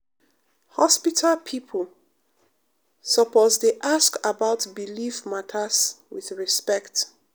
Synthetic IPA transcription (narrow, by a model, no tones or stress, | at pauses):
hɔspitʰalpʰipʰəl | sɔpɔzdeʔaskabaʊtbilifmatʰaswiθɹispɛkt